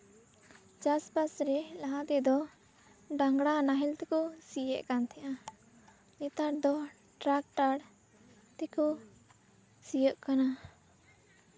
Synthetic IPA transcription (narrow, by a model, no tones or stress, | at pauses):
d͡ʒaspasɾɛlaɦãt̪ɛd̪ɔ | ɖaŋɡɽanaɦɛlt̪ɛkɔsijə̰ʔkant̪ʰɛʔa | nɛt̪aɽd̪ɔ | ʈɾak̚ʈaɽ | t̪ɛkɔ | sijəʔkana